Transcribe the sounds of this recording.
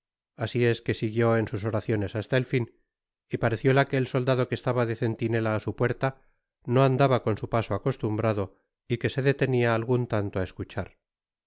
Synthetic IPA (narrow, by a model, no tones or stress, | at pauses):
asie̞ske̞siɣjo̞e̞nsus̬o̞ɾaθjo̞ne̞sast̪aelfin | ipaɾe̞θjo̞lake̞ːlso̞ld̪að̞o̞kest̪aβaðe̞θe̞nt̪ine̞laːsupwe̞ɾt̪a | no̞and̪aβako̞nsupasoako̞st̪umbɾaðo̞ | ike̞se̞ðe̞t̪e̞niaːlɣunt̪ant̪oae̞skut͡ʃaɾ